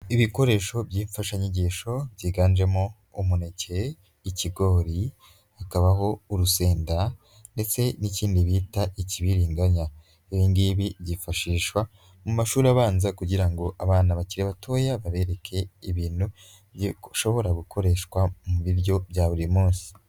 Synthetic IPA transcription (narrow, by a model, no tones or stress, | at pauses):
iβiko̞ɾe̞ːʃo̞bɟiːɱfaʃaɲeɟiːʃo̞bɟiːɡaːnd͡ʒe̞mo | umune̞ce̞ | iciɡo̞ːɾi | hakaβaɦo̞uɾuse̞ːnda | nde̞t͡se̞niciːndiβiːtaʔiciβiɾiːŋɡaɲa | βiŋɡiβiβɟifaʃiːʃwa | mumaʃuːɾiaβaːnzakuɟiɾaŋɡo̞ʔaβaːnaβaciɾeβatʰo̞ːjaβaβe̞ɾe̞kʰe̞iβiːn̥hu | ʃo̞βo̞ɾaɡukʰo̞ɾe̞ʃkwamuβiɾjo̞bjaːβuɾimuːnsi̥